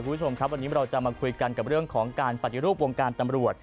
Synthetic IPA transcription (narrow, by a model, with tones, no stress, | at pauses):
kʰu˧˩mbt͡ɕʰo˧mkʰa˦˥p̚wa˧nːiː˦˥ɾa˧wt͡ɕa˨˩maː˧kʰu˧jka˧nka˨˩p̚ɾɯ˥˩əŋkʰɔː˩˦ŋkaː˧npa˨˩t̪ːi˧ɾuː˥˩p̚wo˧ŋkaː˧nt̪a˧mɾu˨˩ət̪̚